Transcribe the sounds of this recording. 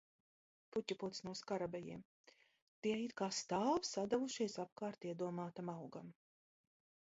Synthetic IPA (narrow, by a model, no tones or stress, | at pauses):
putʲːaput̪snuɔskaɾabɛjḭɛm | t̪iɛit̪kaːst̪aːvsad̪avuʃijsap̚kaːɾt̪iɛd̪uɔmaːt̪amawɡam